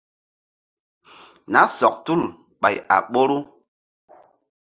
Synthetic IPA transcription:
na˦sɔ˨k̚tu˦˨l | ɓa˨ja̰˨ɓo˦ɾu˦

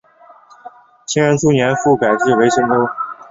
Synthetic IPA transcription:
t͡ɕʰi˥ŋɻə˧˥nʈ͡ʂʰu˥njɛ˧˥nfu˥˩ka˨˩ɪʈ͡ʂɻ̩˥˩we˧˥ɪɕɤ˥ŋt̪o˥

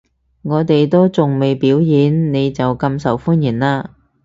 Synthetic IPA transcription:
ŋɔː˨˧t̪e˨jt̪o˥wt͡sʊ˨ŋme˨˩jpiː˨˥wjiː˨˥nne˨˧jt͡sɐ˨wkɐ˧msɐ˨˩wfuː˥njiː˨˩nlaː˧

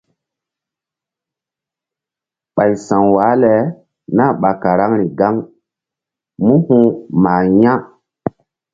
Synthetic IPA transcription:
ɓa˨jsã˨ŋwaː˨˦le˨ | na˦ɓa˨ka˨ɾa˦ŋɾi˨ɡa˦ŋ | mũ˦hũ˦maː˨jã˦

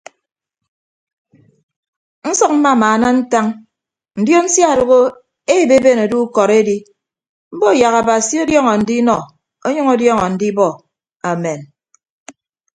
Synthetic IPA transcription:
n̩˦sɔ˦k̚m̩˦ma˦˨maː˨na˦n̩˦ta˦ŋ | n̩˨djo˦n̩˦sja˦˨ɾu˨ɣo˦ | e˦˨be˦be˦˨no˨du˦kɔ˨ɾe˦di˦ | m̩˦bo˦˨ja˨ɣa˨ba˨si˦o˦djɔ˦ŋɔ˨n̩˨di˦nɔ˨ | o˦ɲʌ˦ŋo˦djɔ˦ŋɔ˨n̩˨di˦bɔ˦ | a˨mɛ˨n

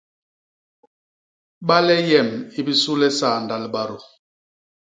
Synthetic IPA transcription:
ɓa˦lɛ˦jɛ˦˨mi˦bi˦su˦lɛ˦saː˦˨nda˨lɓa˨ɾu˨

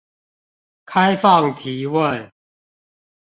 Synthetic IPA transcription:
kʰa˦ɪfɑ˥˨ŋt̪ʰi˨˦wə˥˨n

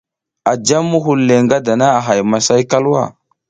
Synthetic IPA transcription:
a˨d͡ʒa˦mːu˦ɦu˨lːe˨ŋɡa˦da˨na˦a˨ɦa˨jma˨sa˦jka˦lwa̰˦˨

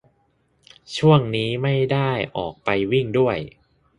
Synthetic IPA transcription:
t͡ɕʰu˥˩əŋniː˦˥ma˥˩jda˥˩jʔɔ̰ː˨˩k̚pa˧jwi˥˩ŋdu˥˩əj

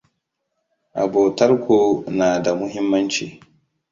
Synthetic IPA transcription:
ʔa̰˨boː˨tɐ˦ɾkʷoː˨naː˨da˨mʊ˦ɦɪ˦mːɐ˦nt͡ʃḭː˨

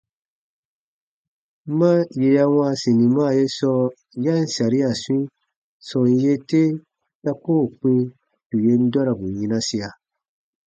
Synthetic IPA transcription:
ma˦je˨ja˦w̃ã˦sĩ˨nĩ˨mãː˦˨je˦sɔ˦ | ja˦n̩˨sa˨ɾi˦a˨swĩ˦ | sɔ̃˨n˦je˦te˦ | ta˦ko˦˨k͡pĩ˦ | tu˨je˦n̩˦da˦ɾa˨bu˨ɲĩ˦nã˦si˧a˨

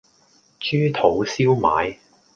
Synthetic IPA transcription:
t͡ʃyː˥t̪ʰo˨˥wsiː˥wma̰ː˨˥j

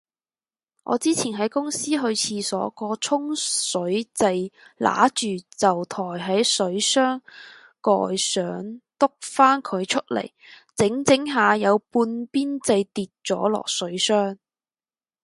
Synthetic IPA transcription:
ʔɔ̰ː˨˧t͡siː˥t͡sʰiː˨˩nɦɐ˨˥jkʊ˥ŋsiː˥ɦɵ˧ɥt͡sʰiː˧sɔː˨˥kɔː˧t͡sʰʊ˥ŋsɵ˨˥ɥt͡sɐ˧jlʔa̰ː˨˥t͡ʃyː˨t͡sɐ˨wt̪ʰɔː˨˩jɦɐ˨˥jsɵ˨˥ɥsœː˥ŋ | kɔ̰ː˨jsœː˨˥ŋt̪ʊ˥k̚faː˥nkʰɵ˨˧ɥt͡ʃʰɵ˥t̚lḛ˨˩jt͡sɪ˨˥ŋt͡sɪ˨˥ŋɦaː˨˧jɐ˨˧wpuː˧npiː˥nt͡sɐ˧jt̪iː˨t̚t͡sɔ̰ː˨˥lɔ̰ː˨˩k̚sɵ˨˥ɥsœː˥ŋ

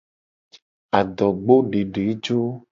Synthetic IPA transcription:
a˨d̪ɔ˨ɡ͡bo˦ɖe˨ɖe˨˦d͡ʒo˦

